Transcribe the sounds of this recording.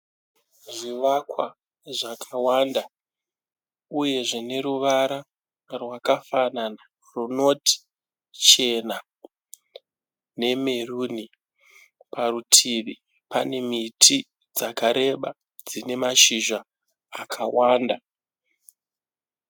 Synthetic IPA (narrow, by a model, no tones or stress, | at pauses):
ʐiʋakwa | ʐakʰawanda | uje̞ʐine̞ɾuʋaɾa | rwakafanana | runo̞ti̥ | t͡ʃe̞na | ne̞meruni | parutʰiʋi | pane̞mitʰi | d͡zakaɾe̞ɓa | d͡zine̞maʃiʒaː | kʰawaːnda